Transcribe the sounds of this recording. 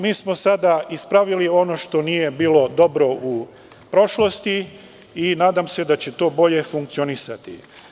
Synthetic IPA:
miːsmo̞sad̪aispɾaʋilio̞noʃt̪o̞nije̞biːlo̞d̪o̞bɾo̞ʔu | pɾo̞ʃlo̞st̪i | inaːd̪amse̞d̪at͡ɕe̞t̪o̞ːbo̞ʎe̞fuŋkt̪sionisat̪ḭ

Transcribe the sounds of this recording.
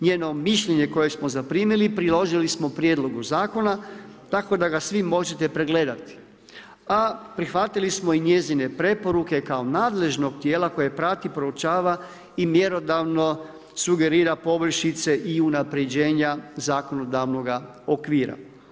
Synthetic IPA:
ɲeːno̞miʃʎe̞ɲe̞ko̞je̞smo̞zapɾiːmilipɾilˠo̞ʒilismo̞pɾjed̪lˠo̞ɡuzaːko̞na | t̪ako̞d̪aɡasʋimo̞d͡ʒe̞t̪e̞pɾe̞ɡle̞d̪at̪i̥ | apɾixʋat̪ilismo̞iɲe̞zine̞pɾe̞po̞ɾuke̞kao̞naːd̪le̞ʒno̞ɡt̪je̞ːlako̞je̞pɾat̪ipɾo̞ut͡ʃaːʋa | imje̞ɾo̞d̪aʋno̞ | suɡe̞ɾiːɾapo̞br̩ʃit̪se̞ʔiunapɾe̞d͡ʑe̞ːɲazaːko̞no̞d̪aʋno̞ɡa | okʋiːɾa̰

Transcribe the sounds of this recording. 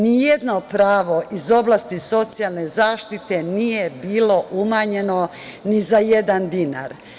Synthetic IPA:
nijed̪no̞pɾaːʋo̞ʔizo̞blˠaːst̪iso̞t̪sijalˠne̞zaːʃt̪it̪e̞nijebiːlo̞ʔumaːɲe̞no̞ | nizajed̪and̪ina̰ɾ

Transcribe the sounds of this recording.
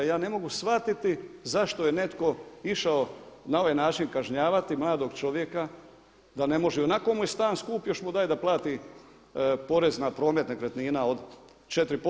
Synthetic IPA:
jaːne̞moɡusʋat̪it̪izaʃt̪oje̞ne̞t̪ko̞iʃao̞nao̞ʋajnaːt͡ʃinkaʒɲaːʋat̪imlˠaːd̪o̞ɡt͡ʃo̞ʋje̞ka | d̪ane̞mo̞ʒɛonako̞mujest̪aːnskuːpjo̞ʃmud̪ajd̪aplˠaːt̪i | po̞ɾe̞znapɾo̞ːmet̪nakɾet̪niːnao̞d̪ | t͡ʃet̪ɾipo

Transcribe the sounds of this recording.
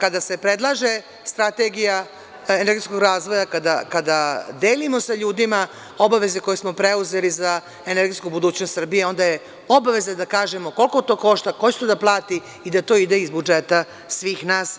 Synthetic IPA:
kad̪ase̞pɾed̪lˠaʒe | st̪ɾat̪eɡija | eneɾɡesko̞ɡɾaːzʋo̞jakad̪akad̪ad̪eːlimo̞saʎuːd̪ima | o̞baʋe̞zeko̞jesmo̞pɾeuze̞liza | eneɾɡet̪kubud̪uːt͡ɕnost̪sr̩bije̞o̞nd̪aje | obaʋe̞zad̪akaːʒe̞mo̞ko̞lˠkot̪o̞ːko̞ʃt̪ako̞t͡ɕe̥t̪od̪aplˠaːt̪i | id̪at̪o̞ːid̪eizbud͡ʒet̪a | sʋiːxnaːs

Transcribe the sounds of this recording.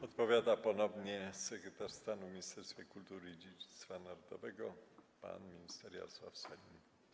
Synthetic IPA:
ɔt̪pɔvʲjad̪apɔnɔbɲɛsɛkɾɛt̪aɾst̪anuvmʲiɲist̪ɛɾst̪fʲjɛkult̪uɾɘid͡ʑed͡ʑit̪st̪fanaɾɔd̪ɔ̰vɛɡɔpa̰nmʲiɲist̪ɛɾja̰swa̰fsɛlʲi

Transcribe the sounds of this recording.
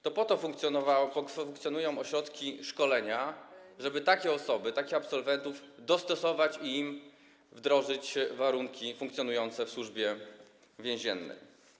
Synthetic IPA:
t̪ɔpɔt̪ɔfuŋkt̪sʲjnɔvauŋkt̪sʲjɔnujɔ̃w̃ɔɕɾɔt̪kʲiʂkɔlɛɲaʐɛbɘt̪akʲɛɔsɔbɘt̪akʲɛapsɔlvɛnt̪uvd̪ɔst̪ɔsɔvat͡ɕiim | vd̪ɾɔʐɘt͡ɕvaɾuŋkʲifũŋkt̪sʲjɔnujɔnt̪sɛfswuʐbʲjɛ | vʲjɛ̃w̃ʑɛnːɛ̰j

